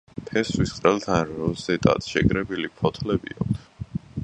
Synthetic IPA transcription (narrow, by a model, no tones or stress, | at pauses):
pʰɛswisqʼɾɛlt̪ʰanɾɔzɛt̪ʼa̰t̪ʃɛɡɾɛbilipʰɔt̪ʰlɛbḭɔ̰k̚ʰt̪ʰ